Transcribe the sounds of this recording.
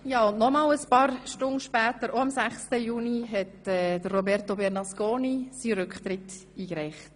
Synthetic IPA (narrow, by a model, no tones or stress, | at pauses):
jɑːʊndnɔmɑːləspɑːɾʃtʊnʃpɛːtəɾoɑmsæχstəjuːniɦɛtɛːd̥ərːobɛɾtobɛɾnɑskoːnisiɾʏkχt̪ɾɪt | iːɡɾɛɪχt